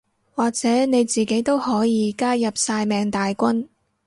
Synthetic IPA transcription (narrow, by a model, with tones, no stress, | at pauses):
waː˨˩k̚t͡sɛː˨˥ne˨˧jt͡siː˨˩ke˨˥jt̪o˥whɔː˨˥jiː˨˧kaː˥jɐ˨p̚saː˧jmɛː˨ŋt̪aː˨jkʷɐ˥n